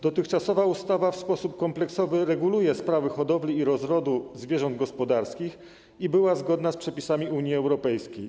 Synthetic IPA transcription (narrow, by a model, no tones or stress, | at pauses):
d̪ɔt̪ɘxt͡ʂasɔvaust̪avafspɔsup̚kɔmplɛksɔvɘɾɛɡulujɛspɾavɘxɔd̪ɔvlʲiːɾɔzɾɔd̪uzvʲjɛʐɔnd̪̚ɡɔspɔd̪aɾskʲix | ibɘwazɡɔd̪naspʂɛpʲisamʲiuɲiɛwɾɔpɛjskʲej